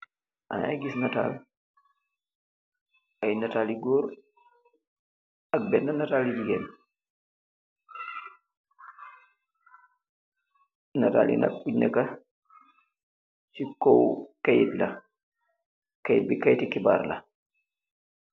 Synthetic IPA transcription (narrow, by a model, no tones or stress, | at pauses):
ʔɐ̰na̰jɡisnɐta̰ːl | ʔɐjnɐtaːliɡɔːɾ | ɐk̚bɛnːɐnɐtaːlid͡ʒiɡɛn | nɐta̰ːlḭnɐ̰k̚puɲɐkɐ | t͡ʃikɔwkɐjitlɐ | kɐjt̚bikajtikiba̰ːrlɐ̰